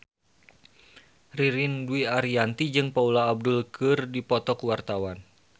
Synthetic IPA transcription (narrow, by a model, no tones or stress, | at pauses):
riɾinduiaɾiant̪id͡ʒɨŋpaulaːb̚dulkɨrdipɔt̪ɔkwart̪awan